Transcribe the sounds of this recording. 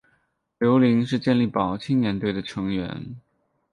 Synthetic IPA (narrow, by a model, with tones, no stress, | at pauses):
ljo˧˥ʊli˧˥ŋʂ̬ɻ̩˥˧t͡ɕjɛ˥˧nli˥˩pɑ˨˩ʊt͡ɕʰi˥ŋnjɛ˧˥nt̪we˥˩ɪd̪ə˩ʈ͡ʂʰɤ˧˥ŋɥɛ̰˧˥n